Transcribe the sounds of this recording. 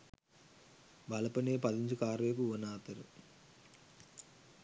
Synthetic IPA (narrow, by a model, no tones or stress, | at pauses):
bʱɐlɐpɐneːpɐd̪iɲd͡ʒukaːɾʋeːk̬uʋunaːt̪ɐɾṵ